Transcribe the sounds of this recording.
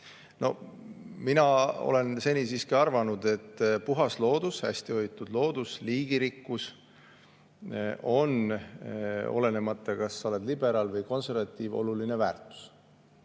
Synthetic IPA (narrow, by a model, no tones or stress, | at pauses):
no̞minɑo̞̰le̞nse̞nʲisiːskiɑrvɑnud̪̥e̞t̪ːpuɦɑslo̞ːd̪ushæ̰sʲt̪io̞jt̪ːud̪̥lo̞ːd̪̥usliːɡ̥iɾikːus | o̞n | o̞̰le̞ne̞mɑt̪ːˑɑkɑsːɑo̞le̞d̪libe̞ɾɑlvɤjko̞nse̞rvɑt̪ːˑiːvo̞̰luline̞væːrt̪ˑu̥s